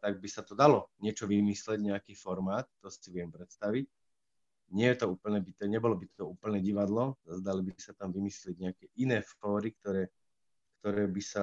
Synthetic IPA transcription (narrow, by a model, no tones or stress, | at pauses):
t̪aɡ̚bisat̪ɔd̪alɔɲɪɛt͡ʃɔʋimislɛɟɲɛakiːfɔɾmaːt̪̚ːɔsi̥siʋɪɛmpɾɛt̪st̪aʋic̚ | ɲɪɛjɛt̪ɔuːpl̩ɲɛbit̪ɔɲɛbɔlɔbit̪ɔuːpl̩nɛɟiʋad̪lɔazd̪alibisat̪amʋimislɪɛɟ̚ɲɛakɛʔinɛːfɔːɾik̚t̪ɔɾɛː | kt̪ɔɾɛːbisa